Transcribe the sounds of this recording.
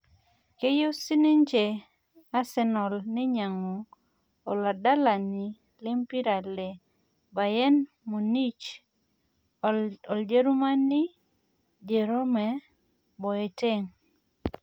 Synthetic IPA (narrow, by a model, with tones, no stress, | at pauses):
ke˦jo˦si˦ne˦nt͡ʃe˨ | a˦sɛ˦nɔ˨lnɪ˦ɲa˨ŋo˨ | ɔ˨la˨da˦la˨ni˨ | le˦mpi˦ɾa˨le˨ | ba˨jɛ˦n | mo˨ni˦t͡ʃ | ɔ˨ld͡ʒe˦ɾu˦ma˦nɪ˦ | d͡ʒe˨ɾo˦mɛ˨ | bɔ˨e˨te˦˨ŋ